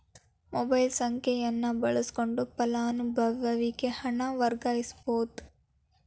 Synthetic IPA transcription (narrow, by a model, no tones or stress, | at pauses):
mobɐjlsɐŋkʰɛjɐnːɐbɐɭɐsi̥koɳɖupɐlaːnubʱɐʋɐʋikehɐɳɐʋɐɾɡaːjisboːd̪